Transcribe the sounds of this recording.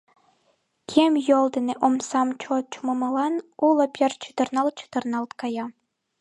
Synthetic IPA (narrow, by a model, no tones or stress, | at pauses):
kʲʰemʲjolˠd̪ɘ̆nʲeʔomsɑmt͡ɕot͡ɕumɤmɤlˠɑnulˠɤ̆pʲert͡ɕʰɯd̪ɤ̆rnɑl̚ˠt͡ɕɯ̥d̪ɤ̆rnɑlˠt̪kɑjɑ